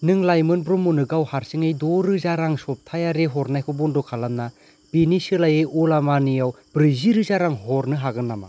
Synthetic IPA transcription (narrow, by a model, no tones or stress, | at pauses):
nɯŋlajmɯnbɾumːunɯɡawhaɾsiŋɯjdoɾɯzaɾaŋsɔp̚tʰajaɾeɦɔɾnajkʰɯbɔndɔkʰalamna | b̥inisɯlajeulamanijaw | bɾiziɾɯzaɾaŋhɔɾnɯɦaɡɯnːama̰